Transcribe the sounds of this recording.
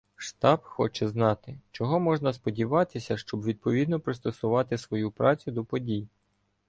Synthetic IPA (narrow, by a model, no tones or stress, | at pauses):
ʃt̪ɑbxɔt͡ʃɛznɑt̪ɪt͡ʃɔɦɔmɔʒnɐspɔdʲiʋɑt̪ɪsʲɐʃt͡ʃɔbʋʲid̪̚pɔʋʲid̪nɔpɾɪst̪ɔsʊʋɑt̪ɪsʋɔjupɾɑt͡sʲʊd̪ɔpɔdʲij